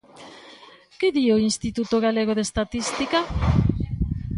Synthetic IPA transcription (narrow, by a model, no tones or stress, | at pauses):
keðioinst̪it̪ut̪oɣaleɣ̞oðest̪at̪ist̪ika